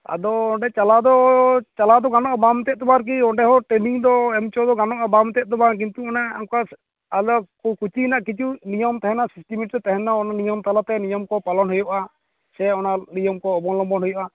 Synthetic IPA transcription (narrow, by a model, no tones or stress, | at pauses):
a̰d̪ɔɔɳɖɛt͡ʃalad̪ɔt͡ʃalad̪ɔɡanɔʔabamɛt̪ɛt̪̚t̪ɔbaɾk̬iɔɳɖɛɦɔʈɾeniŋd̪ɔɛmt͡ʃɔd̪ɔɡanɔʔabamɛt̪ɛʔ̚t̪ɔbak̬int̪uɔnaa̰ŋkaː | lɔkkut͡ʃinaʔkit͡ʃunijɔmt̪ɛɦɛnasisʈimiʈɾɛt̪ɛɦɛnaɔnanijɔmt̪alat̪ɛnijɔmkɔpalɔnɦɔjɔʔa | sɛɔnanijɔmkɔːbɔŋlɔmbɔnɦɔjɔʔa